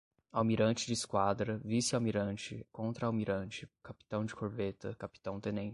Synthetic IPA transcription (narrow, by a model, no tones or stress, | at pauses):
awmiɾɐ̃nt͡ʃɪd͡ʒɪskwad̪ɾɐvisɪawmiɾɐ̃nt͡ʃɪ̰kõnt̪ɾɐawmiɾɐ̃nt͡ʃɪkapi̥t̪ɐ̃w̃d͡ʒɪkʰoɾvet̪ɐkapi̥t̪ɐ̃w̃t̪ẽnẽ